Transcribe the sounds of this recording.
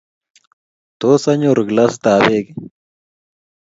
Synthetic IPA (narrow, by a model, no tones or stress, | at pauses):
t̪osɐɲoɾɡlasd̪aːbek